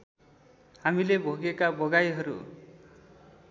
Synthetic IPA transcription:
hamilebʱoɡekabʌɡajɦʌɾṵ

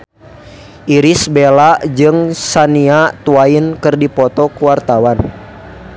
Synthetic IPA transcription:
ʔiɾisbelaʔd͡ʒɨŋsaniat̪uainkɨrdipɔt̪ɔkuwart̪awan

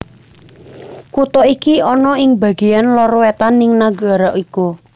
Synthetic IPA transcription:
kut̪ɔikiɔnɔɪŋbä̤ɡ̥ejanlɔrwet̪anːɪŋnaɡa̤ɾaʔiku

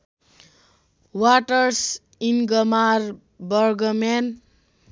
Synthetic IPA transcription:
waʈʌrs | inɡʌmar | bʌrɡʌmen

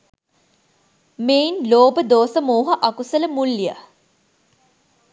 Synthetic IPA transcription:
meːinloːbəd̪oːsəmoːɦəʔɐkusələmulːjə̰

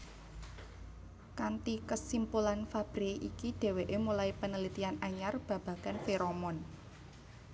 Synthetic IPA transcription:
kant̪ikəsimpulanfab̥ɾiʔikiɖ̪̥e̤weʔemulaipənəlit̪ianaɲarb̥ä̤b̥a̤ɡ̥anfeɾomɔn

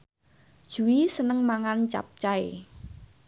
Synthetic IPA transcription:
d̥ʒ̥ṳisənəŋmaŋant͡ʃa̰p̚t͡ʃaḛ

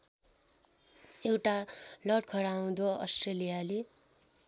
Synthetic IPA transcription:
ewʈalʌɽkʰʌɾaũd̪oʌ̰sʈrelijale

